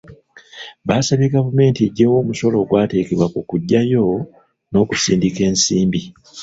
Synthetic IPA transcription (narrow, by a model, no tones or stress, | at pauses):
βaːsaβeɡavume̞ːntiɟewo̞ːmuso̞lo̞ɡwaːte̞ːkeβwakukuɟːajo̞ | no̞ːkusiːndike̞ːnsiːmbi